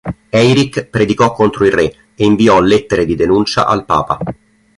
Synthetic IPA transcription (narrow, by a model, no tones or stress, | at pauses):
ɛjɾikpɾed̪ikɔkːont̪ɾoilre | eiɱviɔlet̪ːeɾed̪id̪enunt͡ʃa̰ʔalpa̰ːpa̰